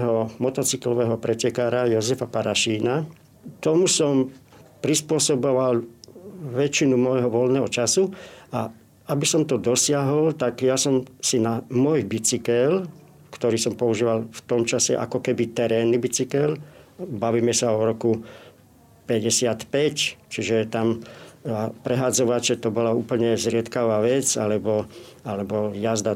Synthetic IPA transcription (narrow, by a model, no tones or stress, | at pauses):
ɦɔmɔt̪ɔt͡siklɔʋɛːɦɔpɾɛcɛkaːɾajɔzɛfapaɾaʃiːna | t̪ɔmusɔmpɾispʊɔsɔbɔʋal | ʋɛt͡ʃinumɔjɦɔʋɔlnɛːɦɔt͡ʃasua | abisɔmt̪ɔd̪ɔsɪaɦɔlt̪aɡjasɔmsinamɔjbit͡sikɛl | kt̪ɔɾiːsɔmpɔuʒiːʋalft̪ɔmt͡ʃasɛ̰ʔa̰kɔkɛbit̪ɛɾɛːnibit͡sikɛlbaʋiːmɛsaɔɾɔku | pɛɟɛsɪat̪pɛct͡ʃiʒɛt̪am | pɾɛɦad͡zɔʋat͡ʃɛt̪ɔbɔlauːpl̩ɲɛzɾɪɛt̪kaʋaːʋɛt͡sa̰lɛbɔalɛbɔjazd̪a